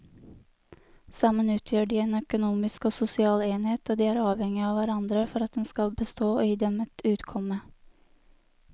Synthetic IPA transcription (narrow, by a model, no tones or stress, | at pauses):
sɑmənʉːt̪ʰjøːɖiːeːnœkʊnuːmɪskoːsʊsɪɑːleːnheːt̪oːd̪iːæːɾɑːʋɛŋɪɑːʋæɾɑnd̪ɾəfɔɾɑt̪̚d̪ɛnskɑlbəst̪oːoːjiːd̪ɛmɛt̪ʰʉːt̪kʰɔmə